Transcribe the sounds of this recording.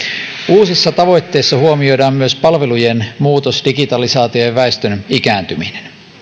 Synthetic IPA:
uːsisːɑt̪ɑʋo̞jt̪ːe̞ːsːɑhuomio̞jdɑːmmyøspɑlʋe̞lujenmuːt̪osdiɡit̪ɑlisɑːt̪iojeʋæest̪ønikæːnt̪yminen

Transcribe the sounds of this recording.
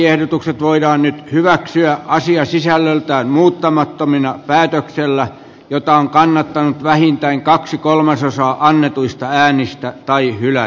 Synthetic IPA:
ehɾot̪ukset̪ʋoidɑːnnyt̪hyʋæksyæʔɑsiɑsisælːølt̪æːnmuːt̪ːɑmɑt̪ːominɑpæːt̪økselːæ | jot̪ɑoŋkɑnːɑt̪ːɑnut̪ʋæhint̪æiŋkɑksikolmɑsosɑːʔɑnːet̪uist̪ɑæːnist̪æt̪ɑihylæ

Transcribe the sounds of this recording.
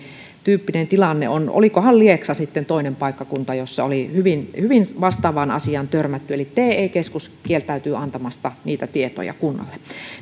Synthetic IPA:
t̪yːpːinent̪ilɑnːḛo̰no̰likohɑllieksɑsit̪ːent̪oˑinempɑˑikːɑkunt̪ɑjosːɑolihyʋinhyʋinʋɑst̪ɑːʋɑnɑ̰siɑnt̪ørmæt̪ːyelit̪eːeˑikeskuskielt̪æyt̪yːɑnt̪ɑmɑst̪ɑniːt̪æt̪iet̪o̰jɑ̰kunːɑ̰lːe

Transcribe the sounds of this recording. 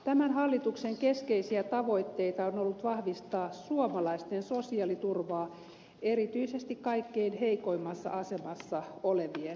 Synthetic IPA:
t̪æmænhɑlːit̪ukseŋkeskeisiæt̪ɑʋoit̪ːeit̪ɑonolːut̪ʋɑhʋist̪ɑːsuomɑlɑist̪ensosiɑlit̪urʋɑː | eɾit̪yisest̪ikkɑikːeinheikoimːɑsːɑ̰ɑsemɑsːɑoleʋie

